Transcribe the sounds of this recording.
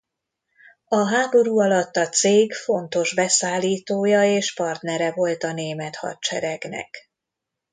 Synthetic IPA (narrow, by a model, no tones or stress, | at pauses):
ɒɦaːbo̞ɾuːɒlɒt̪ːɒt̪seːɡfo̞nt̪o̞ʒbɛsaːlːiːt̪oːjɒeːʃpɒrt̪nɛɾɛvo̞lt̪ɒneːmɛt̪hɒ̰t̪t͡ʃɛ̰ɾɛɡnɛ̰k